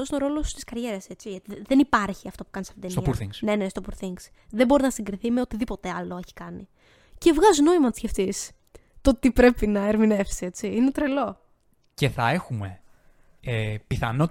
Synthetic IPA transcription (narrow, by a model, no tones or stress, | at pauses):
osinoɾo̞lo̞st̪i̥skɐɾʝe̞ɾɐset͡siʝɐt̪iðenipɐɾçiɐft̪opukɐnisɐ̥ft̪id̪eniɐuɾθiŋnenest̪opuɾθiŋɡs | ðebo̞ɾinɐsiŋɡɾiθimeot̪iðipo̞t̪e̞ɐlo̞e̞çi̥kɐni | ce̞vɣɐzuno̞imɐt̪sceft̪is | t̪o̞t̪ipɾe̞pinɐeɾmine̞fsie̞t͡siinet̪ɾe̞lo̞ | ceθɐe̞xume̞ | epiθɐ̰no